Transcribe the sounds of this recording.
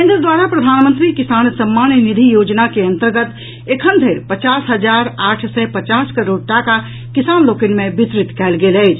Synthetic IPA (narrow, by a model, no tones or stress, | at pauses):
kẽnd̪ɾəd̪waːɾapɾəd̪ʱaːnmə̃nt̪ɾikisaːnsəmːanənid̪ʱijoːd͡ʒnakeə̃nt̪əɾɡət̪ | ekʰənd̪ʱeːɾpət͡ʃaːsɦəd͡ʒaɾaːʈʰsɛpət͡ʃaːskəɾoːɖ̚ʈaka | kisaːnloːkənmẽbɪt̪ɾɪt̪kɛːlɡeːlɛɪt͡ʃʰ